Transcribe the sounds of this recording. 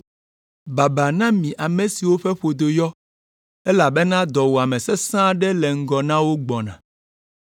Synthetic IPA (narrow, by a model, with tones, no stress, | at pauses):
ba˨ba˨nã˦mĩ˨ʔa˨mẽ˨si˨wo˦ɸɛ˦ɸo˨d̪o˨jɔ˦ | ɛ˦la˨bɛ˦nã˦d̪ɔ˨wo˨a˨mɛ̃˨sɛ˦sã˦ɖɛ˦lɛ˨ŋ̩˦ɡɔ˨nã˦wo˦ɡ͡bɔ˨nã̰˨